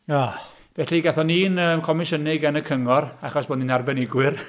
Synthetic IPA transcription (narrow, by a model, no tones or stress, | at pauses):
a | v̥ɛɬiɡɛθɔniːnəːmkʰɔmɪʃənɪɡɛnəkʰəŋɔraχɔsb̥oːdninarbɛnɪɡwɪr